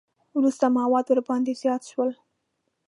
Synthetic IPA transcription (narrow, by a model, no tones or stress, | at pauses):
wɾust̪amawɑd̪wəɾbɑnd̪ezjɑt̪ʃwəl